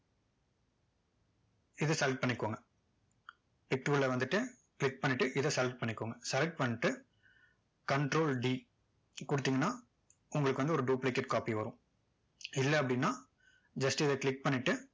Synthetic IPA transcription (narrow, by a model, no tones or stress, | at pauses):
ɪðɯsɛlʈ̚pɐɳːɪkːoːŋɡɐ | pɪk̚ʈuːllɐʋɐnd̪ɯʈːɯ | klɪk̚pɐɳːɪʈːɯʔɪðɐsɛlʈ̚pɐɳːɪkːoːŋɡɐsɛlʈ̚pɐɳːɪʈːɯ | kɐɳʈɾoːlɖiː | kʊɽɯt̪ːiːŋɡɐnːaː | ʊŋɡɐɭɯkːɯʋɐnd̪ɯɔɾɯɖuːplekːɐʈ̚kaːpiʋɐɾʊ̃ | ɪlːɐɐp̬ːɐɽɪnːaː | d͡ʒɐsʈɯɪðɐkɭɪk̚pɐɳːɪʈːɯ